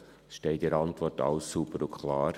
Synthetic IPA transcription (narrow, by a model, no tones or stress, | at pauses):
ʃtɛɪdɛɾɑntʋɔrtɑ̰ʊsːubəɾʊkʰlɑːɾ